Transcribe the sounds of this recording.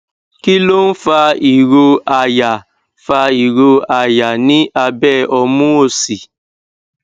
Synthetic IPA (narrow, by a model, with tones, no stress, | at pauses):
ki˦lo˦n̩˦fa˧i˨ɾo˧a˧ja˨ | fa˧i˨ɾo˧a˨ja˨nĩ˦ʔa˧bɛ˦˨ɔ˧mũ˦o˧˨si˨